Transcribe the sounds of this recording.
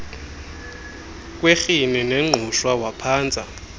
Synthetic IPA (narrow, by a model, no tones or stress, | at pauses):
k̬ʼwexinineŋ͡ǃʱuʃwawapʰaːnd͡zʱʼa